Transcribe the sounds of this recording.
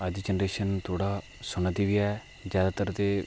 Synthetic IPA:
əd͡ʒd͡ʒɛnɾeːʃənt̪ʰoːɽaː | sʊnəd̪iːʋiːɛː | d͡ʒjaːd̪aːt̪əɾt̪eː

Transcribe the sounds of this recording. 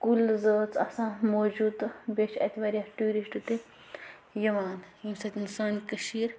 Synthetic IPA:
kulzəːt͡sɐ̰sãmoːd͡ʒuːd̪beʃɐ̰t̪ʲiʋɐɾʲjaʈuːɾisʈut̪e | jɐʋaːnjimsɐt̪ʲinsɐːnʲkəʃiːɾ

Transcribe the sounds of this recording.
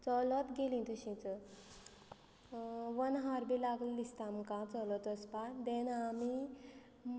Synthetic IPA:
t͡sɔlɔt̪ɡelĩt̪uɕĩt͡sə | ʋənɦaɾbilaɡllist̪amkãt͡sɔlɔt̪əspad̪enami | m

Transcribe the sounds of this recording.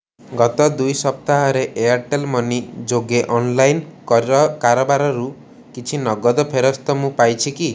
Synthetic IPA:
ɡɔt̪ɔd̪ujsɔp̚t̪aɦɔɾeʔejaɾʈelmɔnid͡ʒoɡeʔɔnlajn | kaɾɔbaɾɔɾu | kit͡ʃʰinɔɡɔd̪ɔpʰeɾɔst̪ɔmũpajt͡ʃʰiki

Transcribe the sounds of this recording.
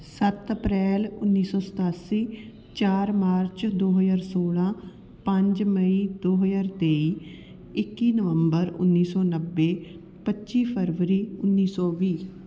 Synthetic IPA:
sət̪əpɾɛːlʊnːiːsɔːsə̥t̪aːsiː | t͡ʃaːɾmaːɾt͡ʃd̪oːɦəd͡ʒaːɾsoːlãː | pə̃ɲd͡ʒməiːd̪oːɦəzaːɾt̪eːiː | ɪkːiːnəʋəmbəɾʊ̰nːiːsɔːnəʋːeː | pətːʃiːpʰəɾʋɾiːʊnːiːsɔːʋiː

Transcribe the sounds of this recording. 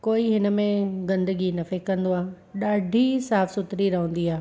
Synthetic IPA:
koːiɦɪnə̆mẽɡɐ̃nd̪əɡinɐfekɐ̃nd̪oaː | ɗaːɖʱisaːfsʊt̪ɾiɾɐɦə̃n̆d̪iaː

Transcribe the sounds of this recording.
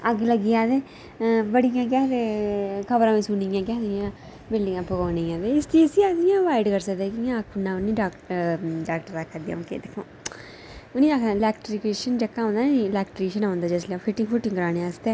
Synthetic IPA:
əɡləɡijãːd̪eː | bəɽijãːk̬ɛːd̪eːkʰəbɾãːmĩːsuniãːk̬ɛːd̪ijãː | bɪlɖɪ̃ŋɡãːpʊɡaːniãːd̪eːɪst̪iːsiːasijãːʋaːɪɖkəɾsəkd̪ɛːkijãkʰʊnːãːʊnĩːɖaːkɖaːk̚ʈəɾaːkʰːaːd̪ijã̰ːkḛːd̪ekʰːõ̰ː | ʊnĩːakʰalɛːkʈɾikeʃənd͡ʒekːãːnd̪aːilɛːkʈɾeːʃənãːnd̪aːd͡ʒesleafʰɪʈːɪ̃ŋɡfʰʊʈːɪ̃ŋkəɾaːnẽaːst̪eː

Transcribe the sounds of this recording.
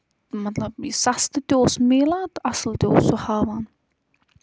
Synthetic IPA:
mat̪laisast̪ɪt̪owsmɪːlat̪aslt̪ɪsɔhavhan

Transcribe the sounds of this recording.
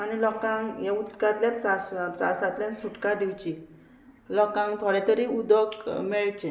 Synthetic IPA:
aɽ̃ilɔkãŋjaud̪kat̪ljat̪ɾast̪ɾa̰sat̪ljansuʈkad̪iwt͡ɕi | lɔkãŋkt̪ʰoɽet̪əɾiud̪əkmɛɭt͡ɕe

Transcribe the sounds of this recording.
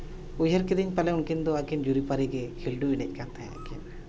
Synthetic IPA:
ujɦəɾkid̪iɲpalɛunkind̪ɔakind͡ʒuɾipaɾiɡɛkʰilɖuinɛc̚ˀkant̪ʰãja̰kin

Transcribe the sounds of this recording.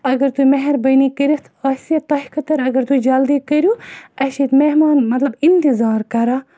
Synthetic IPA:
ɐɡɐɾt̪umɐɦɛɾbɐniːkɐɾit̪ʰɐsit̪ɐɦikɐt̪ɐɾɐɡɐɾt̪ud͡ʒɐld̪iːkɐɾjuɐsit̪meɦmaːnmɐt̪lɐbint̪izɑːɾkɐɾaː

